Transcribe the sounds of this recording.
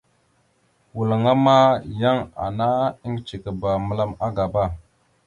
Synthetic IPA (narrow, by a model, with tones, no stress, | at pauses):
wu˨lə˨ŋa˦ma˦ja˦ŋa̰˨na˦i˦ŋ˦t͡ʃi˨kə˨ba˨mə˨la˦ma˦ɡa˨ba˦˨